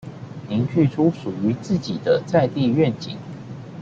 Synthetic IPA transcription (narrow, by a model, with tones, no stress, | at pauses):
ni˧˥ŋt͡ɕʰy˥˩ʈ͡ʂʰu˥ʂu˨˩y˧˥t͡sɹ̩˥˩t͡ɕi˨˩d̪ə˦t͡sa˥˧ɪt̪i˥˧ɥɛ˥˨nt͡ɕḭ˨˩˦ŋ